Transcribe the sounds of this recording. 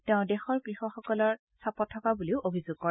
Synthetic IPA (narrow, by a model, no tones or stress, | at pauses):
tɛʊ̃dɛxɔɹkɹixɔxɔkɔlɔɹ | sapɔtʰːɔkabuliʊʔobʱizuɡ̚kɔɹ